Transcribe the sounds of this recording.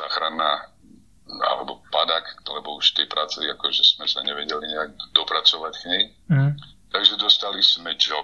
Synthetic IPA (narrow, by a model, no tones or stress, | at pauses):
zaːxɾanːa | a̰lɛ̰bɔpad̪aklɛbɔuʃft̪ɛjpɾaːt͡sɛakɔʒɛz̥mɛsaɲɛʋɛɟɛliɲɛaɡ̚d̪ɔpɾat͡sɔʋacxɲɛj | t̪aɡʒɛd̪ɔst̪aliz̥mɛd͡ʒɔ